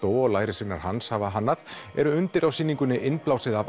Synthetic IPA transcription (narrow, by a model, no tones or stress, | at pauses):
t̪oːwɔɣlaːjɾɪsvɪnːa̰ɾ̥hanshavaɦanːaðɛ̰ɾʏʏnt̪ɪɾawsiːniŋkʏnːɪʔɪnplaːwsɪðav